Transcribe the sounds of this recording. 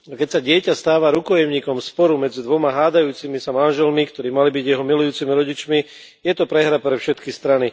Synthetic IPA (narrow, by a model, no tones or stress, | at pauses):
akɛcsaɟɪɛcast̪aːʋaɾukɔjɛmɲiːkɔmspɔɾumɛd͡zid̪ʋɔmaɦaːd̪ajuːt͡simisamanʒɛlmikt̪ɔɾiːmalibiɟjɛɦɔmilujuːt͡simiɾɔɟit͡ʃmi | jɛt̪ɔpɾɛɦɾapɾɛfʃɛt̪kist̪ɾani